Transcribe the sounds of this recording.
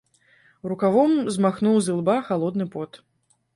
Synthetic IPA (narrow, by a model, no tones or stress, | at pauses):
ɾukavɔmzmaxnuwzɨlˠbaxalˠɔd̪nɨpɔt̪